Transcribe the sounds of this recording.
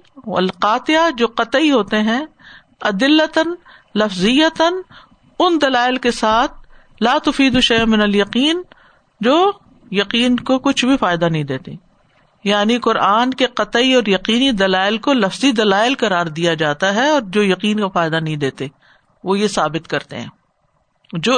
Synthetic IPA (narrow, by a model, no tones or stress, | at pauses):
ɐ̰lqaːt̪ɪjad͡ʒoːqɐt̪iɦoːt̪eɦɛ̃ | ɐd̪ɪlːət̪ən | lɐfzɪjət̪ən | ʊnd̪ɐlaːɪlkesaːt̪̚ʰ | laːt̪ʊfiːd̪uʃɐjəmɪ̃nɐljɐqiːn | d͡ʒoː | jɐqiːnkokʊt͡ʃʰbʱifaːjd̪anɐɦĩd̪eːt̪ḛ | jaːniqʊɾʔaːnkeqɐt̪iɔːɾjɐqiːnid̪ɐlaːɪlkolɐfzid̪ɐlaːɪlqɐɾaːɾd̪ijad͡ʒaːt̪aɦɛɔːɾd͡ʒoːjɐqiːnkafaːɪd̪anɐɦĩd̪eːt̪e | ʋojesaːbɪt̪kɐɾt̪ḛɦɛ̰̃ː | d͡ʒoː